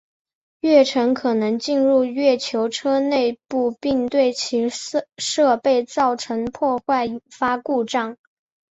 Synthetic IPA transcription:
ɥɛ˥˩ʈ͡ʂʰɤ˧˥ŋkʰɤ˨˩nɤ˧˥ŋt͡ɕi˥˧nɻu˥˧ɥɛ˥˩t͡ɕʰjo˧˥ʊʈ͡ʂʰɤ˥ne˥˧ɪpu˥˧pi˥˧ŋt̪we˥˩ɪt͡ɕʰi˧˥ʂɤ˥˧pe˥˧ɪt͡sɑ˥˩ʊʈ͡ʂʰɤ˧˥ŋpʰwɔ˥˧xwa˥˩ɪi˨˩fa˥ku˥˧ʈ͡ʂɑ˥˩ŋ

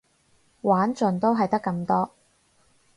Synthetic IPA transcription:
waː˨˥nt͡sɵ˨nt̪o˥wɦɐ˨jt̪ɐ˥kːɐ˧mt̪ɔː˥

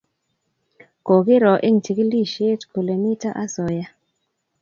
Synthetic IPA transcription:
ko˨kɪ˦ɾɔ˨ʔe˦˨ŋ̩˨ti˨ki˦li˦ʃe˦˨tkʰu˨le˨mi˦ta˦ʔa˦sɔ˨ja˦

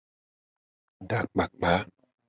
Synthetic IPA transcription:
ɗaː˨˩k̚ɓa˨˩k̚ɓaː˨˦

